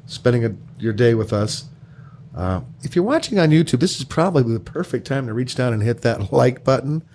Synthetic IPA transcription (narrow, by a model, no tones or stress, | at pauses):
spɛ̃ndɪ̃ŋɨjə˞deɪwɨðʌs | ʔʌ̰ɨfjə˞wɑt͡ʃɪ̃ŋə̃njʉtʰʉb̚ðɪsɨz̥pʰɹ̥ɑbəbliðəpʰɜ˞fɪk̚tʰãɪ̃mtʰɨɹit͡ʃd̥ãʊ̃nɨ̃nɦɪt̪̚ðɨtˡlaɪk̚b̥ʌʔn̩